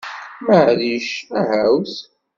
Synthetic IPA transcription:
məʕliʃæhæwθ

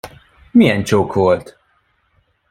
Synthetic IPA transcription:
miɛnt͡ʃowkʰɔːlt̪

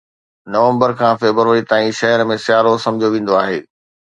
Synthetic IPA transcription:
nɐʋə̃mbəɾkʰãːfeːbəɾʋəɾit̪aːĩʃɐɦəɾmẽsɪjaːɾosɐ̃md͡ʑʱjoʋẽːn̆d̪oaːɦḛː

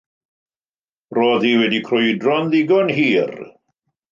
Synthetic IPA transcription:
roːðiwɛdikʰrɔjdrɔnðiɡɔnɦiːr

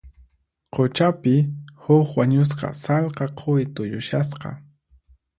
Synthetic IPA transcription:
qʰot͡ʃapɪhʊkwaɲʊs̬qɑ̰salqɑqʰʊjt̪ʊjʊʃasqɑ̰

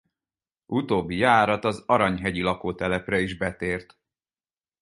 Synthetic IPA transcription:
ʔut̪oːbːijaːɾɒt̪ɒzɒɾɒɲɦɛɟilɒkoːt̪ɛlɛprɛiʒbɛt̪eːrt̪

